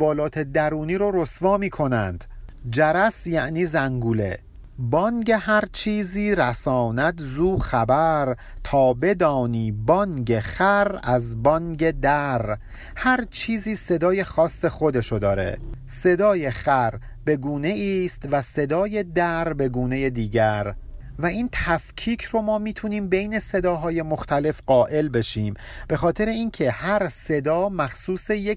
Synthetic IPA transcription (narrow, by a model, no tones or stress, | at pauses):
vɒːlɒːt̪ʰe̞d̪æɾuːniːɾoɾo̞svɒːmiːkʰo̞næ̰nd̪̥d͡ʒæɾæsjæʔniːzæŋɡuːle̞̰ | bɒːnɟehæɾt͡ʃʰiːziːɾæsɒːnæt̪ʰzuːxæbæɾ | t̪ʰɒːbe̞d̪ɒːniːbɒŋɟe̞χæɾæzbɒnɟe̞d̪æɾ | hæɾt͡ʃʰiːziːse̞d̪ɒːje̞xɒːsːe̞xo̞d̪e̞ʃod̪ɒːɾe̞̰ | se̞d̪ɒːje̞xæɾ | be̞ɡuːne̞iːst̪væse̞d̪ɒːje̞d̪æɾbe̞ɡuːne̞je̞d̪iːɟæɾ | væiːnt̪ʰæfcʰiːcʰro̞mɒːmiːt̪ʰuniːmbe̞jne̞se̞d̪ɒːɦɒːje̞moxt̪ʰæle̞fɢɒːʔe̞lbe̞ʃiːm | b̥e̞xɒːt̪ʰe̞ɾe̞iːncʰehæɾse̞d̪ɒːmæxsuːse̞je